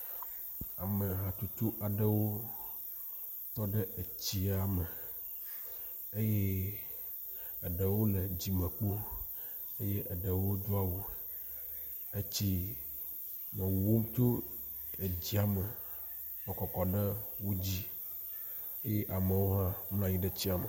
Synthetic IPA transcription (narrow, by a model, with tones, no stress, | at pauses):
a˨me˨ɦã˨t̪u˦t̪u˦ʔa˨ɖə˦wo˦ | t̪ɔ˦ɖɛ˦e˨t͡ɕi˦a˨mɛ˨ | e˦je˦ | ɛ˨ɖe˨wo˦le˨d͡ʑi˨mɛ̃˨k͡po˦ | e˦je˦ʔɛ˨ɖe˨wo˦d̪u˦a˦wo˦ | e˦t͡ɕi˦ | mɛ̃˨wwo˦m˦t̪o˦e˨d͡ʑi˦a˨mɛ˨ | mɛ̃˨kɔ˨kɔ˨ɖe˦wo˦d͡ʑi˦ | e˦je˦ʔa˨me˨wo˦ɦã˦mlã˦ɲĩ˦ɖe˦t͡ɕi˦a˨mɛ˨